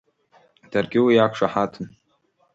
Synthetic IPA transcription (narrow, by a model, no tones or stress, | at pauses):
d̥arɡʲɪwijakʷʰʂaħatʰɨn